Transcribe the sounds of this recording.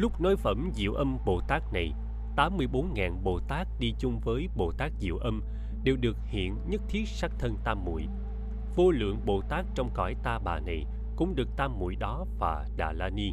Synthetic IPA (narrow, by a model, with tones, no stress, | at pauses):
lʊ˦˥k͡p̚nɔ˨˦jfə˧˩mzḭ˧˨əwʔə˧mɓo˨˩t̪aː˦˥k̚na˨˩j | t̪aː˨˦mːɨ˧əjɓo˨˦nŋaː˨˩nɓo˨˩t̪aː˦˥k̚ɗi˧t͡ɕʊ˧ŋ͡mvəː˨˦jɓo˨˩t̪aː˦˥k̚zḭ˧˨əwʔə˧m | ɗe˨˩wɗɨ˨˩ək̚hḭ˧˨ənɲə˦˥t̚t̪ʰi˦˥ət̚sa˦˥k̚t̪ʰə˧nt̪aː˧mːṵ˧˨j | vo˧lɨ̰˧˨əŋɓo˨˩t̪aː˦˥k̚t͡ɕɔ˧wŋ͡mkɔ˧˩jt̪aː˧ɓaː˨˩na˨˩j | kʊ̰˧˥ŋ͡mɗɨ˨˩ək̚t̪aː˧mːṵ˧˨jɗɔ˨˦vaː˨˩ɗa̰ː˨˩laː˧ni˧